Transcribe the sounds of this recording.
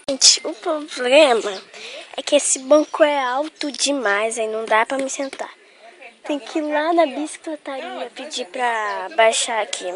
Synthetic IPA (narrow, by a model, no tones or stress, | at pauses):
ʒẽt͡ʃɪ̥ʊpɾoblẽmɐɛ̰kɪesɪbɐ̃kʊɛawt̪ʊd͡ʒɪmajzainɐ̃w̃d̪apɾɐmɪsẽnt̪a̰ɾ | t̪ẽj̃ʊkʰɪlanɐbisi̥klet̪aɾiɐpɪd͡ʒipɾɐbajʃaakʰi